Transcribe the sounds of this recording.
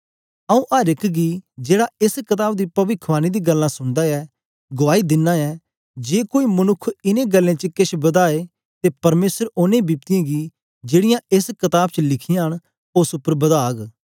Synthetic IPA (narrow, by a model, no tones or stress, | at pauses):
əũːʔaːɾɪkʰɡiːd͡ʒeːɽaːɪskɪt̪aːb̚d̪iːpɐʋɪkʰʋaːnid̪iːɡəlːãːsʊɳd̪aːɛː | ɡʊʋaːid̪ɪnːãːɛː | d͡ʒeːkoːiːmənʊkʰːɪnẽːɡəlːẽːt͡ʃəkɪʃʰbəd̪aːeː | t̪eːpɐɾmeːsəɾʊnẽːbiːp̚t̪ɪjãːɡiː | d͡ʒeːɽɪjãːɪskɪt̪aːb̚t͡ʃəlɪkʰɪjãːɦəɳ | ʊsʊpːəɾbəd̪aːɡ